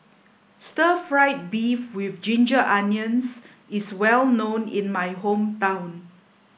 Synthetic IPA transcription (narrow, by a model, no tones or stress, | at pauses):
stəfɹaɪt̚bifwɪfd͡ʒĩnd͡ʒəʔãnjə̃ns | ɪswɛlnõnɪ̰̃nmajɦõmtãw̃n